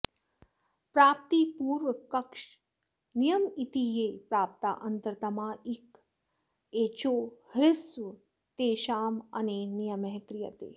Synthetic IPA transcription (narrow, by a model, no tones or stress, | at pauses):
pɾaːp̚t̪ipuːɾʋəkəkʃ | nijəmit̪ijepɾaːp̚t̪a̰ʔənt̪əɾt̪ɐmãːik | et͡ʃohɾɪsʋ | t̪eʃaːmə̰nenijəmɛɦkɾijə̰t̪ḛː